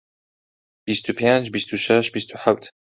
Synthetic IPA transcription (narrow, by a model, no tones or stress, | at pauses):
b̥ist̪ʰupʰjant͡ʃbist̪ʰuʃɐʃbist̪ʰuħawtʰ